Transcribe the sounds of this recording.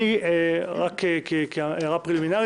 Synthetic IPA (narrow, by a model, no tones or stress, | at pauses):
iʁakekekʁapʁiliminaʁ